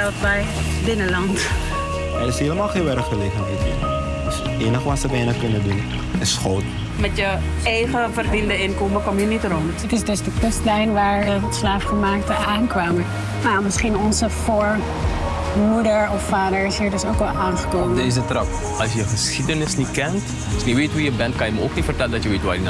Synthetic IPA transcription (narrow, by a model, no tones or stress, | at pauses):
ɛlˠt̚bɛj | bɪnəlɑnt | ɛɾɪsɦiːləmaːlˠχẽːnʋɛɾəχəleːkətətḭn | dəseːnəχəʋɐtsəʋɛnəχkønədun | ɪsχoːt | mɛtjə | ejχəfərvindəɪnkoːməkɔmjənitrɔntətɪsdɵsdəkønstlɛjnʋaːɹdəslaːfχəmaːk̚təaːnkʋaːmə | jmɪsχinɔnzəfoːɹ | mudəɹɔffaːdəɹɪsɦiːɹdɵsowkʋɛlˠʔaːnχə̥koːmədnɪs̬dətrɑp | ɑlsjəχəsχidənɪsnit̚kɛnt | ɔsniʋeːtʋujəbɛntkɑnjəməowknitfərtɛləndɑtjəʋetʋa̰jəna